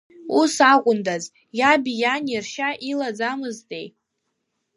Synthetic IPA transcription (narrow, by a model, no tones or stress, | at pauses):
usakʷʼʊndaz | jabijanirʃaʔilad͡zamɨztʼḛj